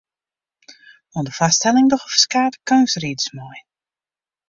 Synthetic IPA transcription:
ɔndəfastɛlɪŋdɔxɔfə̥skaːtə̥kaŋsridəsmɔj

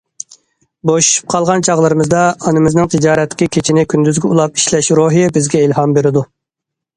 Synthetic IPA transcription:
boʃu̥ʃy̥p̚qʰɑlˠʁɑnt͡ʃʰɑʁlˠɨɾɨmɨzd̪ɑɑnɨmɪznɪŋt̪ʰɨd͡ʒɑːɾɛt̪ʰːɪ̥kʲɪkʲʰet͡ʃʰinɪkʲʰynd̪yzɡʲɛulˠɑp̚i̥ʃlɛʃɾoɦijɛbɪzɡʲɛilhɑmbeɾɪd̪u

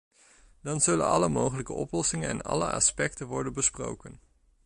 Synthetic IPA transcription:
dɑnzɵlə̰nɑ̰ləmowχələkəɔ̰plɔsɪŋənɛ̰nɑ̰lə̰ʔɑ̰spɛk̚tənʋɔɹdənbəspro̰wkən

